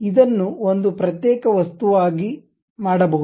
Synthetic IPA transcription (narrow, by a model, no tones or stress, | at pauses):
id̪ɐnːuond̪upɾɐt̪jɛːkɐʋɐst̪uʋaːɡi | maːɽɐbɐɦu